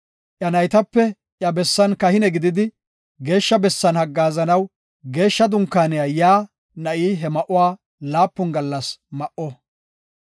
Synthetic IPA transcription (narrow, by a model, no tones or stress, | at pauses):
ʔjɐnɐjt̪ɐpːɛ | ʔjɐbɛsːɐnkɐhɪnɛɡɪd̪ɪd̪ɪ | ɡe̞ːʃːɐbɛsːɐnhɐɡːaːzɐnɐw | ɡe̞ːʃːɐd̪ʊŋkːaːnɛjɐjaː | nɐʔiːɦɛmɐʔʊwaː | laːpːʊnɡɐlːɐsmɐʔɔ